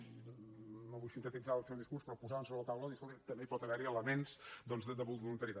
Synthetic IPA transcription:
noβujsint̪ət̪id͡zaəlˠsɛwðiskuɾspɾɔpuzaβənsoβɾələt̪awləðiskolˠt̪it̪əmbepɔt̪əβɛɾiələmenz̥d̪ɔnzəd̪əβuβulunt̪əɾit̪a

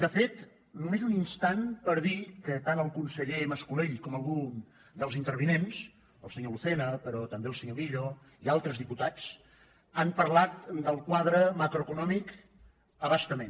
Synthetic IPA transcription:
d̪əfet̪ | numezuninst̪anpəɾðikət̪anəlˠkunsəʎeməskuleʎkɔməlˠɣun | d̪əlˠzint̪əɾβinens | əlˠsəɲoluθenəpəɾɔt̪əmbeəlˠsəɲoβiʎo | ialˠt̪ɾəzðiput̪at͡s | ampəɾlat̪̚d̪əlˠkwaðɾəmakɾoəkunɔmik | əβəst̪əmen

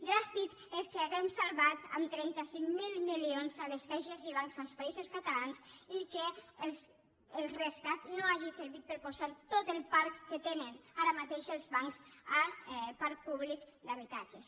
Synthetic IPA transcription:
d̪ɾast̪ik | eskeaɣɛmsalβat̪a̰mt̪ɾɛnt̪asiŋmilˠmilionzaleskɛjʃeziβ̞aŋkzalˠspaizoskat̪alansikes | elˠreskat̪noaʒiseɾβit̪̚pəɾpozaɾt̪ot̪elˠpaɾkːet̪enenaɾamat̪eʃelˠzβaŋksapaɾk̚puβlik | d̪aβ̞it̪ad͡ʒes

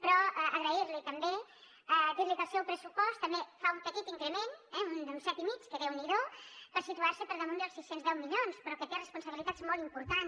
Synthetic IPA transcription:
pɾɔəəɣɾəiɾlit̪əmbe | ək̪ezlək̪əsiopɾəsupɔst̪əmbefaumpək̪it̪iŋkɾəmenɛund̪əunsɛt̪imit͡ʃkəðɛwniðopəɾsit̪uaɾsəpəɾðəmund̪əlˠsisenzðɛwmiʎonspɾɔkət̪erəspunsəβilit̪azmɔlˠt̪impuɾt̪an

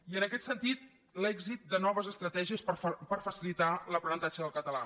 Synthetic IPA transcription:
iənəkɛt̪sənt̪it̪̚ | lɛɡzit̪̚d̪ənɔβəzəst̪ɾət̪ɛʒiəsppəɾfəsilit̪aləpɾənənt̪ad͡ʒəðəlˠkət̪əla

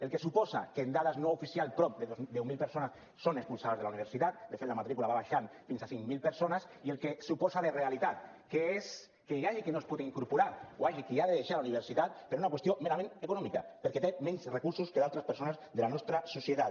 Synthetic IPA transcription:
elkesupɔsa̰keːnd̪aðaznoufisialˠpɾɔp̚d̪eðozd̪ewmilpeɾsonasːonekspulsaβazðelauniβ̞eɾsit̪at̪̚d̪efet̪lamat̪ɾikulaβaβaʃanfinsasiŋmilpeɾsonasielkesupɔsaðerealit̪at̪̚ | kees | keaʎikenospuðeiŋkuɾpuɾaɾoajʝikeaðeðeʃalauniβ̞eɾsit̪at̪̚peɾunakwest̪jomeɾamẽnekunɔmika̰peɾket̪emɛ̃nzrekuɾsuskeðalˠt̪ɾaspeɾsonazðelanɔst̪ɾasusjet̪at̪

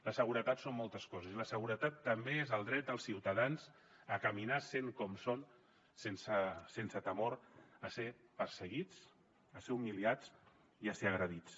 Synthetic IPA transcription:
ləsəɣ̞uɾət̪at̪somːɔlˠt̪əskɔzəziləsəɣ̞uɾət̪at̪ːəmbeezəlˠd̪ɾɛt̪̚d̪əlˠsiwt̪əðanz | əkəminaseŋkɔmson | sensəsensət̪əmoɾəsepəɾsəɣit͡s | əseumiliat͡s | iəseəɣ̞ɾəðit͡s

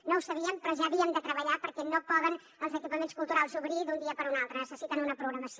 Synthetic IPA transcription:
nõwsɐβiəmpɾɔʒaːβiəmd̪ət̪ɾəβɐʎapəɾkɛnopɔðən | əlˠzəkipəmẽntskulˠt̪uɾalˠsuβɾid̪und̪iɐpəɾunalˠt̪ɾənəsəsit̪ənunɐpɾuɣɾɐmɐsio

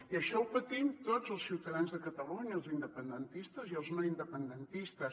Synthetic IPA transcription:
iəʃɔəlˠpət̪imt̪od͡zzəlˠsiwt̪əðanzðəkət̪əluɲəːlˠzind̪əpənd̪ənt̪ist̪əziəlˠzmoind̪əpənd̪ənt̪ist̪əs

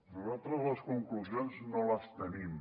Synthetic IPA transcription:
nuzalˠt̪ɾəzlɐskuŋkluzionznõlɐst̪ənim

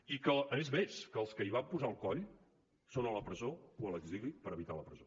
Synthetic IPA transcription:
ikəənezmeskəːlˠskəiβampuzalˠkɔʎ | sonələpɾəzooələɡzilipəɾəβit̪aləpɾəzo

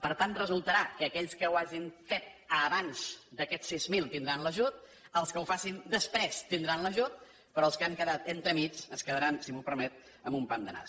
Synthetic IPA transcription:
pəɾt̪anrəzulˠt̪əɾakəːkɛʎskəwaʒiɱfet̪̚əβanʲʃd̪əkɛt̪sizmilˠt̪ind̪ɾanləʒut̪̚ | əlˠskəwfasind̪əspɾɛst̪ind̪ɾanləʒut̪̚ | pɾɔəlˠskəaŋkəðat̪ent̪ɾəmit͡ʃəskəðəɾansimupəɾmɛt̪̚ | əmumpand̪əna̰

